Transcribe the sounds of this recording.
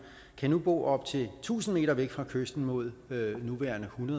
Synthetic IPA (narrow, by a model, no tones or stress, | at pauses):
kʰænub̥ɔ̰ːʔɒ̽b̥̚t͡sʰe̝lt͡sʰṵːsn̩me̝̰ːɾɐʋeɡ̥fʁɑ̈kʰøsd̥n̩mo̝ð̞̰ˠnuʋæːɐnəhunɐðˠ